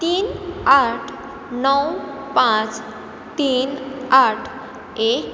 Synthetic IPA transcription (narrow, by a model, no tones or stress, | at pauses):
t̪inaʈʰ | nɔwpãt͡s | t̪inaʈʰ | e